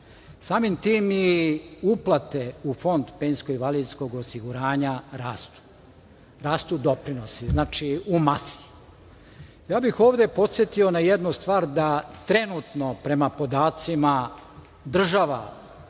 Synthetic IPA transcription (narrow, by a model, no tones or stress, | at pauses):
saːmimt̪iːmjiuplat̪e̞ufo̞nd̪peːnsko̞iʋaliːd̪sko̞ɡosiɡuɾaːɲaɾaːst̪u̥ | ɾaːst̪ud̪o̞pɾinosiznaːt͡ʃiumasi̥ | jaːbixo̞ːʋd̪e̞po̞t̪sʲjet̪io̞najed̪nust̪ʋaːɾd̪at̪ɾe̞nut̪no̞pɾe̞mapo̞d̪aːt̪sima | d̪r̩ʒaʋa̰